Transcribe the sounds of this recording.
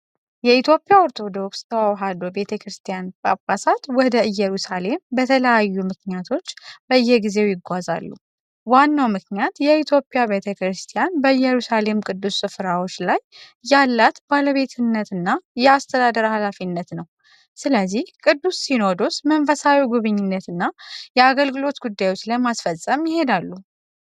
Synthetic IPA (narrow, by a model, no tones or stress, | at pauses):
jɛit̪ʰjo̞pʼːijaoɾt̪ʰo̞d̪o̞kst̪ʰəwawɦad̪obe̞t̪ʰəkɾɨst̪ʰijanbʼa̰bːasat̪wɔd̪əɨjːɛɾusale̞mbət̪ʰələjajːumɨknjat̪ʰo̞t͡ʃːbəjːɛɡize̞wjɪɡʷaza̰lːu | wanːawmɨknjat̪jɛit̪ʰjo̞pʼijaβe̞t̪ʰəkɾɨst̪ʰijanbəjːɛɾusale̞mkʼɨd̪ːusːɨfɾawo̞t͡ʃːlajː | alːat̪baləβe̞t̪ʰɨnːət̪ɨnːajɛast̪ʰəd̪ad̪əɾhalafinːət̪nəw | sɨləzːihkʼɨd̪ːusːino̞d̪osmənfəsawiɡuβɨɲːɪnːət̪ɨnːajɛaɡəlɡɨlo̞t̪ɡud̪ːajwo̞t͡ʃːləmasfəsʼːəmjɪɦe̞d̪alːu